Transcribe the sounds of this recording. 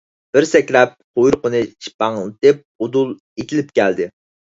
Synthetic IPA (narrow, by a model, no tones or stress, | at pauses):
b̥ɪɾsɛkʲlɛp̚qʰojuɾqʊnɨʃʰi̥pɑŋt̪ɪp̚od̪ulˠ | et̪ʰɪlɪp̚kʲæld̪ɪ